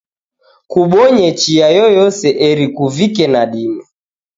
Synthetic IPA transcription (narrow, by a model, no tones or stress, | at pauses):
kuɓɔɲɛt͡ʃiajɔjɔsɛʔɛɾikuvikɛnaɗimɛ